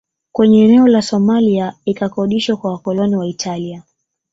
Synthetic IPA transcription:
kwɛɲɛːnɛɔlasɔmaliaikakɔɗiʃwakwawakɔlɔniwaitʰalia

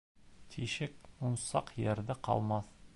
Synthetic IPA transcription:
t̪ʰiʃɪk̚mʊnsɑqjeɾd̪ɪqʰɑ̰lˠmɑθ

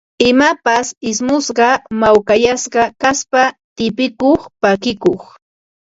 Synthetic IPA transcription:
ɪmapasɪsmʊsɢɑmawkajasɢɑkaspat̪ɪpɪkoχpakɪkoχ

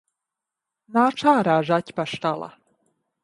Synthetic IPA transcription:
naːʈ͡ʂʰaːɾaːʐatʲʰpaʂtalˠa̰

